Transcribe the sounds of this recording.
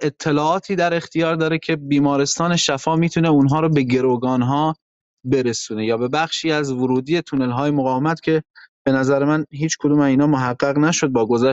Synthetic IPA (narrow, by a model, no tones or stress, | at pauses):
e̞t̪ʰːe̞lɒːɒːt̪ʰiːd̪æɾe̞xt̪ʰijɒːɾd̪ɒːɾecʰe̞biːmɒːɾe̞st̪ɒːne̞ʃæfɒːmiːt̪ʰuneunɦɒːɾɔːbe̞ɟe̞ɾoɡɒːnɦɒː | beɾesuːne̞jɒːbe̞bæχʃiːæzvoɾuːd̪iːe̞t̪ʰune̞lɦɒːjemoɣɒːvemæt̪cʲʰe̞b̥e̞næzæɾemænɦiːt͡ʃkʰod̪uːmæiːnɒːmoɦæɢːæɣnæʃo̞d̪̚bɒːɡo̞zæʃ